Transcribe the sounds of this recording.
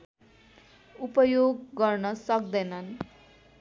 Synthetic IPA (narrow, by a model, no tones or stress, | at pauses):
upʌjoɡːʌrnʌsʌk̚d̪ʌjnʌn